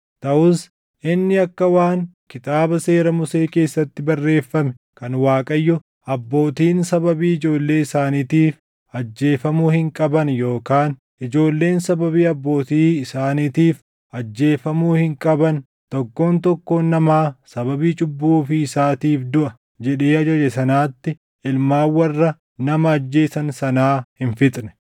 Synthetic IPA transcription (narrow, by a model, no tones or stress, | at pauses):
t̪ɐʔʊs | ʔɪnːɪɐkːɐwaːŋ | kɪt̪aːbɐse̞ːɾɐmʊse̞ːke̞ːsːɐt̪ːɪbɐrːe̞ːfːɐmɛ | kɐnwaːkʼɐjːɔ | ɐbːo̞ːt̪iːnsɐbɐbiːɪd͡ʒo̞ːlːe̞ːɪsaːniːt̪iːf | ɐd͡ʒːe̞ːfɐmuːhɪŋkʼɐbɐnjo̞ːkaːn | ʔɪd͡ʒo̞ːlːe̞ːnsɐbɐbiːɐbːo̞ːt̪iːɪsaːniːt̪iːf | ɐd͡ʒːe̞ːfɐmuːhɪŋkʼɐbɐn | t̪ɔkːo̞ːnt̪ɔkːoːnːɐmaːsɐbɐbiːt͡ʃʼʊbːuːfɪːsaːt̪iːfd̪ʊʔɐ | d͡ʒɛᶑeːɐd͡ʒɐd͡ʒɛsɐnaːt̪ːɪ | ɪlmaːwːɐrːɐ | nɐmɐːd͡ʒːe̞ːsɐnsɐnaːhɪnfɪt̪ʼnɛ̥